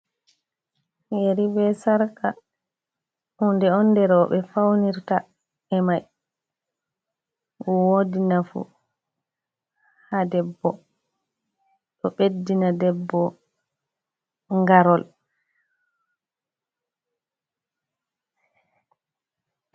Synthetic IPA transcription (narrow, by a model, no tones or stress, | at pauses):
heɾibɛsaɾka | undɛɔndɛɾɔɓɛfawniɾta | ɛmaj | wɔwodinafṵ | hadɛbːɔ | ɗɔɓedːinadɛbːɔ | ŋɡaɾɔl